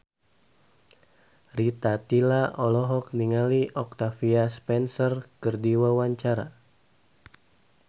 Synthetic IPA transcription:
rit̪at̪ilaɔlɔɦɔk̚niŋaliʔɔk̚t̪afiaspɛnsɔrkərdiwawaɲt͡ʃaɾa̰

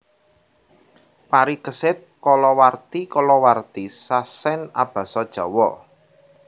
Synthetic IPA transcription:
paɾikəsɪt̪̚kɔlɔwart̪ikɔlɔwart̪isasɛnab̥ä̤sɔd̥ʒ̥ɔ̤wɔ

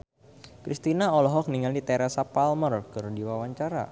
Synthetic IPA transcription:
kɾʔist̪inaɔlɔɦɔk̚niŋaldit̪ɛɾasapalmərkərdiwawaɲt͡ʃaɾa̰

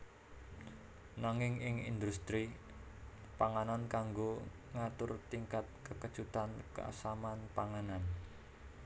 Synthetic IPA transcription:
naŋɪŋɪŋḭnd̪ust̪ɾi | paŋanankaŋɡo | ŋat̪ʊrt̪iŋkat̪̚kəkəd̥ʒ̥ut̪anka̰samanpaŋanan

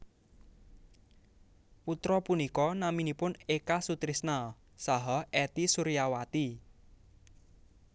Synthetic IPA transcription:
put̪ɾɔpunikɔnaminipʊnekasut̪ɾisna | saɦɔɦʔɛt̪isuɾijawat̪i

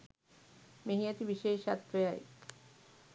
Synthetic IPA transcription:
meɦijat̪ibiʃeːʃa̰t̪ɾejaj

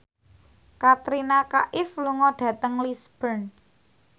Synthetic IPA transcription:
kat̪ɾinakaʔɪfluŋɔɖ̥ä̤t̪əŋlisb̥ərn

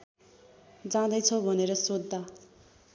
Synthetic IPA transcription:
d͡zãd̪ʌjt͡sʰʌbʱʌneɾʌsod̪ːa

